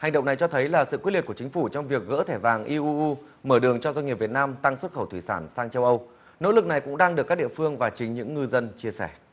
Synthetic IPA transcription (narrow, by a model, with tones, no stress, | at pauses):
ha˨˩jɗə̰˧˨ŋ͡mna˨˩jt͡ɕɔ˧t̪ʰə˨˦jlaː˨˩sɨ̰˧˨kwtli˨˩t̚ku˧˩t͡ɕï̟˨˦fu˧˩t͡ɕɔ˧wŋ͡mvi˨˩ək̚ɣə̰ː˧˥t̪ʰɛ˧˩vaː˨˩ŋʔi˧ʔu˧ʔu˧ | məː˧˩ɗɨ˨˩əŋt͡ɕɔ˧za˧ŋi˨˩p̚vi˨˩ət̚naː˧mt̪a˧ŋswə˦˥t̚xə˧˩wt̪ʰi˧˩saː˧˩nsaː˧ŋt͡ɕə˧wʔə˧w | no̰˧˥lɨ˨˩k̚na˨˩jkʊ̰˧˥ŋ͡mɗaː˧ŋɗɨ˨˩kːaː˦˥k̚ɗi˧˨əfɨ˧əŋvaː˨˩t͡ɕï˨˦ŋ̟ɲɨ̰˧˥ŋːɨ˧zə˧nt͡ɕi˧əsɛ̰˧˩